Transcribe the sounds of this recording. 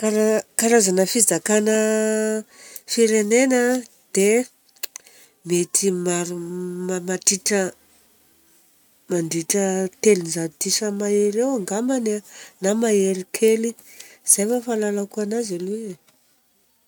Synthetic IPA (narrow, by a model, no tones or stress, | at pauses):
kaɾakaɾazanəfid͡zakanə | fiɾenenə | d̪̥e | met̪imaɾumamatiʈ͡ʂə | maɳɖ͡ʐiʈ͡ʂət̪elinzat̪isəmaeɾewaŋɡamananamaeɾikʰeliz̥ajfafalalakuanazalu